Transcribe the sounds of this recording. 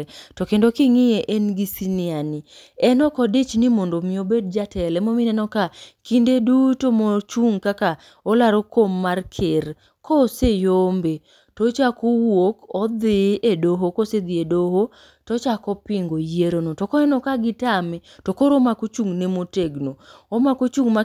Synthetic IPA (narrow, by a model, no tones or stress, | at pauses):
tokendokɪŋɪjeʔɛnɡisinɪaniɛnɔkɔdet͡ʃnimondomɪobed̚d͡ʒatɛlɛmominɛnɔkakindedutomot͡ʃuŋkaka | olaɾokomːarkʰer | kosejombe | tot͡ʃakowokɔd̪ɪʔedoɦokosed̪iedoɦo | tɔt͡ʃakɔpɪŋɡoieɾonotokɔɛnɔkaɡɪtamɛtokoɾomakot͡ʃuŋnemoteɡnoomakot͡ʃuŋma